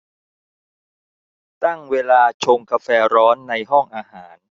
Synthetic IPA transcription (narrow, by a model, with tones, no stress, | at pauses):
t̪a˥˩ŋweː˧laː˧t͡ɕʰo˧ŋka˧fɛː˧ɾɔː˦˥nːa˧jɦɔ˥˩ŋʔaː˧haː˩˦n